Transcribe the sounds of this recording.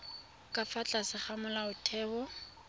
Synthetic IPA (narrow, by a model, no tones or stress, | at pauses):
kʼafat͡ɬʼasɪχamʊlaʊtʰɛːbɔ